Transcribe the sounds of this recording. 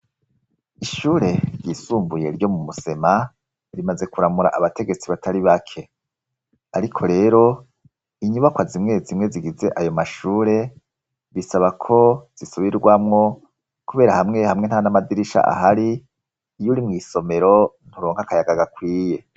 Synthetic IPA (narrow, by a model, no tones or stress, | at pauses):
iʃuːɾe̞ɾɟiːsuːmbuje̞̰ɾɟo̞mumuse̞ma | ɾimaze̞kuɾamuɾa̰ʔaβate̞ɡe̞t͡siβatʰaɾiβakʰe̞ | aɾikʰo̞ɾe̞ːɾo̞ | iɲuβakwazimŋe̞zimŋe̞ziɡize̞ʔajo̞maʃuːɾe̞ | βisaβakʰo̞z̥isoβiɾɡwamŋo̞ | kuβe̞ːɾahamŋe̞hamŋen̥hanamadiɾiʃa̰ʔa̰ɦaɾiː | juɾimŋiːso̞me̞ɾo̞n̥huɾoːŋhakajaɡaɡakwiːje̞